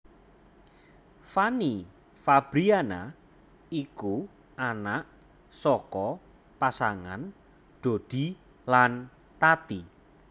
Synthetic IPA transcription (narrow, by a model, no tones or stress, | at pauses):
fani | fab̥ɾiana | iku | anaʔ | sɔkɔ | pasaŋa̰n | ɖ̥o̤d̪̥i̤ | lan | t̪at̪i